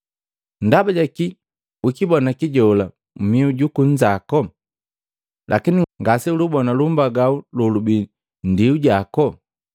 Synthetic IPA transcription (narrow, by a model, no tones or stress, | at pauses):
ndabaɟaki | ukibɔnakiɟɔla | m̩miuɟukuɲd͡ʒakɔ | lʔakiniŋɡasiulubɔnalumbaɡaululubi | ndiuɟakɔ